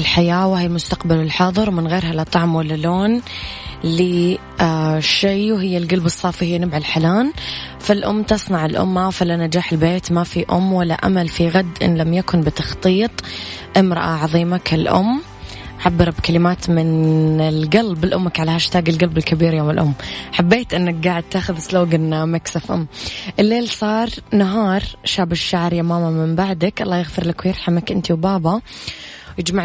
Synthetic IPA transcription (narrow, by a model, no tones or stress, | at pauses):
ɪlħajaːwahɪːlmʊst̪aqbalɪlħɑðˤɨɾwmɪnɣeːɾɦalɑt̪ˤːɑʕmwalːaloːn | li | aʃeːwɦɪjːalɡalbɨsˤːɑːfihɪjːnɪbʕalħalaːnfalʔʊmːt̪ɨsˤnɑʕɪlʔʊ̰mːafalːanad͡ʒaːħɪlbeːt̪mafiʔʊ̰mːwalːa̰ʔa̰malfiɣad̪ːʔɪ̰nlamjakʊnbɪt̪ɑxt̪ˤiːt̪ˤʔɪmɾɑʔaʕɑðˤiːmakʰalʔʊ̰mː | ʕabːɨɾˤbkalɪmaːt̪mɪnɪlɡalbɪlʔʊmːakʕalahaʃt̪aːɡɪlɡalbɪlkabiːɾjoːmɪlʔʊmːħabːeːt̪ʔɪnːak̚ɡaːʕɪd̪̚t̪aːxʊðsloːɡɪnmaksafʔʊ̰mːʔɪlːeːlsˤɑːɾˤnaɦɑːɾˤʃaːbɪʃːaʕɾˤjamaːmamɪmbaʕd̪akʔɑlˤːɑːjɪɣfɪɾlɪkwjɑɾˤħamakʔɪnt̪iwbaːbɑ | jɪd͡ʒmaʕ